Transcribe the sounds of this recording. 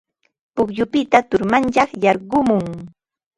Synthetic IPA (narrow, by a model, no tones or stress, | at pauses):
pʊkjʊpɪt̪at̪ʊɾmant͡ʃɑχjɑɾɢʊmʊŋ